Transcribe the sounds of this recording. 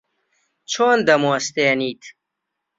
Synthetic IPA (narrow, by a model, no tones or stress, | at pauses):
t͡ʃʰoːnd̪ɐmost̪eːniːt̪ʰ